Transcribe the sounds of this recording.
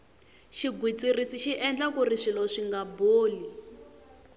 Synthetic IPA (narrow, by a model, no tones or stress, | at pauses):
ʃiɡʱwit͡sirisiʃiʔɛnd͡ɮakuriʂilɔʂiŋɡaboːli